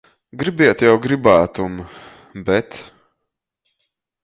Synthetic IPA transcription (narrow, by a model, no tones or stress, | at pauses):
ɡɾibiɛt̪jawɡɾibaːt̪um | bɛt̪